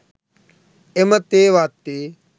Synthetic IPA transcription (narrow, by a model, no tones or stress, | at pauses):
emɐt̪eːʋaːt̪ːeː